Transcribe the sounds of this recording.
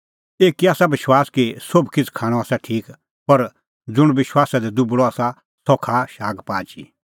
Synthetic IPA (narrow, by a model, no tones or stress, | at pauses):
eːkiaːsabɪʃwaːskisobʱkɪt͡sʰkʰaːɽ̃ɔ̃aːsaʈʰiːk | pɐɾ | d͡zʊɽ̃ʋɪʃwaːsad̪ɛd̪ʊbɽɔaːsa | sɔkʰaʃaːɡpaːd͡ʒḭ